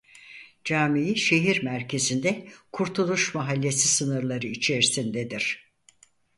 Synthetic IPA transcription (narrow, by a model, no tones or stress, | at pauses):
d͡ʒaːmijiʃe̞ɦiɾmæɾcʰe̞zind̪ɛkʰuɾt̪ʰulˠuʃmaɦalʲːe̞sisɯnɯɾlˠaɾɯit͡ʃʰe̞ɾisind̪ɛd̪iɾ̥